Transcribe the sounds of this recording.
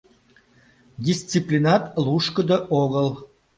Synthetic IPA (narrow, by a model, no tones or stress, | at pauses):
d̪ʲist͡siplʲinɑt̪luʃkə̆d̪əʔoɣəl